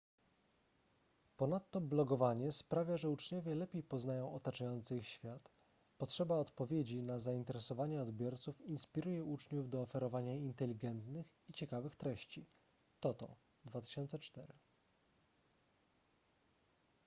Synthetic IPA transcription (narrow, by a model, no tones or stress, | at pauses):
pɔnat̪ːɔblɔɡɔvaɲɛspɾavʲjaʐɛut͡ʂɲɔvʲjɛlɛpʲejpɔznajɔ̃w̃ɔt̪at͡ʂajɔnt̪sɘixɕfʲjat̪ | pɔtʂɛbaɔt̪pɔvʲjed͡ʑinazaint̪ɛɾɛsɔvaɲɛɔd̪bʲjɔɾt̪sufinspʲiɾujɛut͡ʂɲuvd̪ɔːfɛɾɔvaɲaint̪ɛlʲiɡɛnt̪nɘx | it͡ɕɛkavɘxt̪ɾɛɕt͡ɕi | t̪ɔt̪ɔ̰̃ | d̪vat̪ɘ̥ɕɔnt̪sɛt͡ʂt̪ɛɾɘ